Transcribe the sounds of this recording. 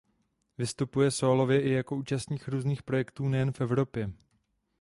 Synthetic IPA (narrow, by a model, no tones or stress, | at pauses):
vɪst̪upujɛsoːlo̞vjɛʔɪjako̞uːt͡ʃast̪ɲiːxɾuːzniːxpɾo̞jɛkt̪uːnɛjɛnfʔɛvɾo̞pjɛ